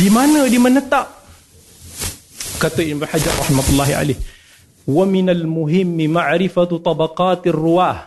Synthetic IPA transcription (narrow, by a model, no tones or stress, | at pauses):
dimanədimənət̪aʔ | kat̪oimbnħad͡ʒarˤːɑ̰ħmat̪ulːaɦia̰leh | waminalmuɦɪmːimaʕɾifat̪ˤɑbaqaːt̪arːuwah